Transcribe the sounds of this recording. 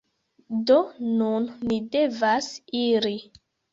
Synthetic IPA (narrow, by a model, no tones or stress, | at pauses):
donunːide̞vasiɾi